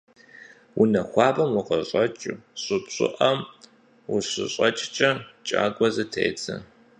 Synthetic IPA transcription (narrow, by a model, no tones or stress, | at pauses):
wunɐxʷɑːbɐmwʊqɐɕʼɐt͡ʃʼuɕʷʼɨpɕʷʼɪ̰ʔɐm | wʊɕɪ̰ɕʼɐt͡ʃʼt͡ʃʼɐt͡ʃʼa̰ːɡʷɔzɨtʰḛːt͡sʰɐ̰